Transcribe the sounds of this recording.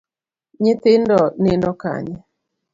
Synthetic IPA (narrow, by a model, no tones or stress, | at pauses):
ɲɪt̪ɪndɔnɪndɔka̰ɲɛ